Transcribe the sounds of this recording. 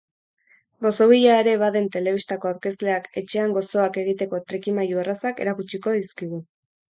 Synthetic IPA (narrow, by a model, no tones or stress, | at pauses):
ɡo̞so̞β̞iʎaeɾe̞βaðe̞nt̪e̞le̞β̞ist̪ako̞awɾke̞st̪le̞ake̞t͡ʃe̞aŋɡo̞so̞ake̞ɣ̞it̪e̞ko̞t̪ɾekimajuerasake̞̰ɾakut͡ʃiko̞ðiskiɣ̞u